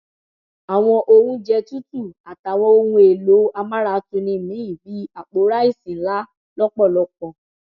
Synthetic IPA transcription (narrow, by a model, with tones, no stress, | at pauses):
a˨w̃ɔ̃˧ʔo˧hũ˧˦d͡ʒɛ˧tu˦tu˦˨a˨ta˨w̃ɔ̃˧o˧hũ˧e˨lo˨˦a˧ma˦ɾa˦˨˦tu˧nĩ˧˨mĩ˨˦ĩ˦˨bi˨˦a˦˨k͡po˨˦ɾa˦i˦˨sĩ˨˦la˦ | lɔ˦k͡pɔ˦˨lɔ˧k̚ɔ̃˧